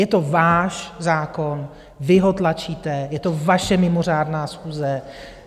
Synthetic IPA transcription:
jɛt̪o̞vaːʃzaːkon | vɪɦot̪lat͡ʃiːt̪ɛjɛt̪o̞vaʃɛmɪmo̞r̝aːdnaːsxuːzɛ

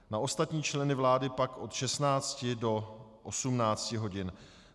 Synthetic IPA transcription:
naʔo̞st̪at̪ɲiːt͡ʃlɛnɪvlaːdɪpakʔo̞t̪ʃɛsnaːt͡scɪdo̞ʔosumnaːt͡scɪɦo̞ɟɪn

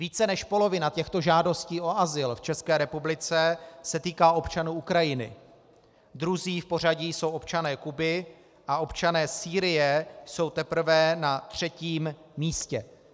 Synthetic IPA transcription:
viːt͡sɛnɛʃpo̞lo̞vɪnat̪ɛxt̪o̞ʒaːdo̞sciːʔo̞ʔazɪlft͡ʃɛskɛːɾɛpublɪt͡sɛsɛt̪iːkaːo̞pt͡ʃanuːukɾajɪnɪ̰ | d̪ɾuziːfpo̞r̝aɟijsowʔo̞pt͡ʃanɛːkubɪ | ʔao̞pt͡ʃanɛːsiːɾɪjɛjso̞wt̪ɛpɾ̩vɛnat̪r̝̥ɛciːmːiːscɛ

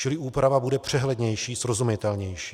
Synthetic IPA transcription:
t͡ʃɪlɪʔuːpɾavabudɛpr̝̥ɛɦlɛd̪ɲɛjʃiːsɾo̞zumɪt̪ɛlɲɛjʃiː

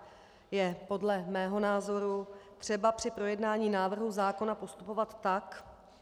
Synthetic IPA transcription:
jɛpo̞dlɛmɛːɦo̞naːzo̞ɾut̪r̝̥ɛbapr̝̥ɪpɾo̞jɛdnaːɲiːnaːvr̩ɦuzaːko̞napo̞st̪upo̞vat̪ːak

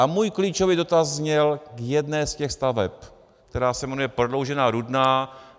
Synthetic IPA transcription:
ʔamuːjkliːt͡ʃovido̞t̪azɲɛlkjɛdnɛːscɛxst̪avɛp | kt̪ɛɾaːsɛmɛnujɛpɾodlo̞wʒɛnaːɾudnaː

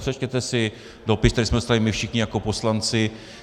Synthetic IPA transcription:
pr̥ɛt͡ʃcɛt̪ɛsɪ | dopɪst̪ɛɾismɛdost̪alɪmɪfʃɪxɲɪjakoposlant͡sɪ

